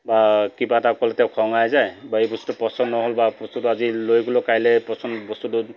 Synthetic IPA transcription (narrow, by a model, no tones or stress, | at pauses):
bakibatakɔltɛʊkʰɔŋajzajbaejbɔst̪utupɔsɔnːɔɦolbapɔst̪utuazilojɡɔlɔkajlɛpɔsɔnbɔst̪utu